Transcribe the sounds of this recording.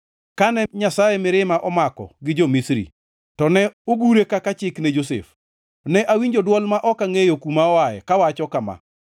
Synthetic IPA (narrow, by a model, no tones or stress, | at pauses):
kanɛɲasajɛmɪɾɪmaʔɔmakɔ̰ɡɪd͡ʒomisɾḭ | tɔnɛoɡuɾekakat͡ʃɪknɛd͡ʒosḛf | nɛʔawiɲd͡ʒodwɔlmaʔɔkaŋejokumaɔajɛkawat͡ʃɔkama̰